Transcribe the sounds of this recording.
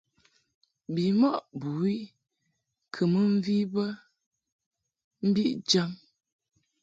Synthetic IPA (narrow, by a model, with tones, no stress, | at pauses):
bi˨mɔ˦ʔbu˨i˦ | kʰə˨mə˦ɱ̩˦vi˦bə˦ | m̩˦bi˦ʔd͡ʒa˦m